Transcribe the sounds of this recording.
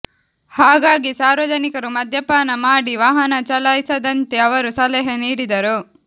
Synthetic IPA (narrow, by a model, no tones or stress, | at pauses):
haːɡaːɡisaːɾʋɐd͡ʒɐnikɐɾumɐd̪ʱjɐpaːnɐmaːɽiʋaːɦɐnɐt͡ʃɐlaːjsɐd̪ɐnt̪eɐʋɐɾusɐlɛɦɐniːɽid̪ɐɾu